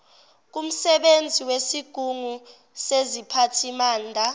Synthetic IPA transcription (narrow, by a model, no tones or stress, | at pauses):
k̬um̩sɛɓend͡zʱiwesiɡ̥ʱuŋu | sezipʰatʰimaːndʱa